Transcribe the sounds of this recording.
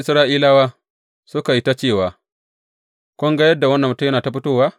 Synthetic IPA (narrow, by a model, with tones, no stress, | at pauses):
ʔɪ˨sɾaː˦ʔiː˦laː˦waː˦ | sʊ˦ka˨ji˦ta˦t͡ʃeː˦˨waː˨ | kʷɔ˦ŋɡa˦jɐ˦da˨wɐ˦nːɐ˨mː˦tu˦jɐ˦naː˨ta˦ɸʊ˦toː˦˨waː˦